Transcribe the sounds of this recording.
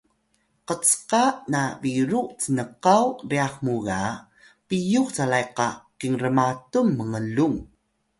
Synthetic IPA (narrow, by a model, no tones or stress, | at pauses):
qət͡sqaʔnaviɾuʔt͡sənəqawriaχmuɣa | pijukt͡salajqakiŋrəmatumːəŋəluŋ